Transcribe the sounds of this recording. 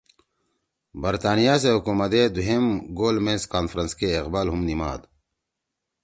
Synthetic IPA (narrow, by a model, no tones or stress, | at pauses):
bɐɾt̪aːnijaːs̬eɦukuːmɐd̪ed̪uɦemɡoːlmenskaːnfɾɐnskeːqbaːlɦumnima̰ːd̪